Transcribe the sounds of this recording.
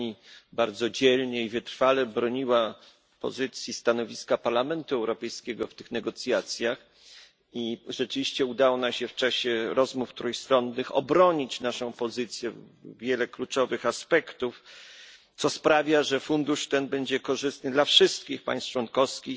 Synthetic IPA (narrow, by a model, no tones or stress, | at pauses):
ibaɾd̪zɔd͡ʑɛlɲɛivɘt̪ɾfalɛbɾɔɲiwa | pɔ̰zɘt̪sʲjist̪anɔvʲiskapaɾlamɛnt̪uɛwɾɔpɛjskʲɛɡɔft̪ɘxnɛɡɔt̪sʲjat̪sʲjax | iʐɛt͡ʂɘvʲiɕt͡ɕɛud̪awɔnamɕɛft͡ʂaɕɛɾɔzmuft̪ɾujst̪ɾɔnːɘxɔ̰bɾɔɲit͡ɕnaʂɔ̃w̃pɔzɘt̪sʲjɛ | vʲjɛlɛklut͡ʂɔvɘxaspɛkt̪uf | t̪sɔspɾavʲjaʐɛfund̪uʂt̪ɛnbɛɲd͡ʑɛkɔʐɘst̪̚nɘd̪lafʂɘst̪kʲixpa̰j̃st͡ʂwɔnkɔfskʲix